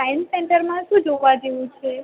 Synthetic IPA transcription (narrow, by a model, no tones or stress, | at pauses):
ajnsɛɳʈəɾmãʃũd͡ʒoɡʋad͡ʒeʋũt͡ʃʰe